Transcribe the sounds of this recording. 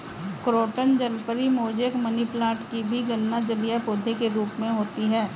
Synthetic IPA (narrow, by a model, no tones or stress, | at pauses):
kɾoːʈənd͡ʒəlpəɾimoːd͡ʒəkməniplaːʈkibʱiɡənːad͡ʒəlijapoːd̪ʱekeɾuːpmẽɦoːt̪iɦɛː